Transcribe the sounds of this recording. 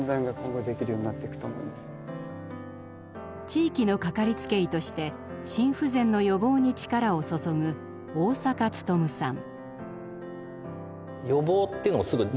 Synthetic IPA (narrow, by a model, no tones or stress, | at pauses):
nzãŋɡakõ̞ŋɡo̞d̪e̞kʲiɾɯ̟joːɲ̟inat̪ːe̞ikɯ̥t̪oːmo̞̰ḭmasɨ̥ | t͡ɕiːkʲino̞kakaɾʲit͡sɨ̥ke̞it̪o̞ɕi̥t̪e̞ | ɕĩɰ̃ɸɯ̟zẽ̞nːo̞jo̞bo̞ːɲ̟it͡ɕi̥kaɾao̞so̞so̞ɡɯ̟ | oːsakat͡sɨ̥t̪o̞mɯ̟sãŋ | jo̞bo̞ːt̪ːeiɯnoasɨɡɯ̟